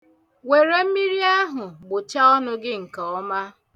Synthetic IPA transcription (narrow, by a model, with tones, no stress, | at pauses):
we˨ɾe˨m̩˦mi˦ɾi˦a˦ɦʊ˨ɡ͡bʊ˨t͡ʃa˦ɔ˦nʊ˦ɡɪ˦ŋ̩˨kɔ˨ɔ˦ma˦